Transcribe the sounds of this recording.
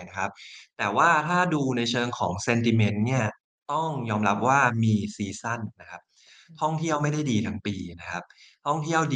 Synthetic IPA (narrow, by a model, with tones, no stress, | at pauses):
na˦˥kʰa˦˥p̚t̪ɛː˨˩waː˥˩t̪ʰaː˥˩duː˧na˧jt͡ɕʰɤː˧ŋkʰɔ̰ː˩˦ŋse˧nt̪i˧me˦˥nːi˥˩ɐ | t̪ɔ˥˩ŋjɔː˧mɾa˦˥p̚waː˥˩miː˧siː˧sa˥˩nːa˦˥kʰa˦˥p̚ | t̪ʰɔ˥˩ŋt̪ʰi˥˩əwma˥˩jda˥˩jdiː˧t̪ʰa˦˥ŋpiː˧na˦˥kʰa˦˥p̚ | t̪ʰɔ˥˩ŋt̪ʰi˥˩əw